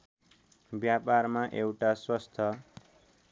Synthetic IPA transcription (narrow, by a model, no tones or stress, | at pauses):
bjapaɾmaʔewʈaswʌst̪ʰʌ